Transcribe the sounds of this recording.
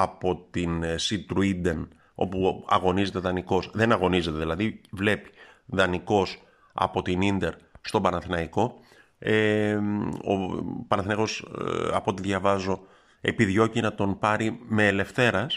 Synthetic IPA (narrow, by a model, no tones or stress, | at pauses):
ɐpo̞t̪insit̪ɾuid̪en | o̞̰puɐ̰ɣo̞nize̞t̪e̞ðɐniko̞sðe̞nɐɣo̞nize̞t̪e̞ðilɐðivle̞pi̥ðɐniko̞s | ɐ̰po̞t̪inind̪e̞ɾst̪o̞bɐnɐθinɐiko̞ | e | o̰pɐnɐθinɐko̞sɐ̰po̞t̪iðʝɐvɐzo̞ | e̞piðʝo̞cinɐt̪o̞npɐɾime̞ːle̞fθe̞ɾɐs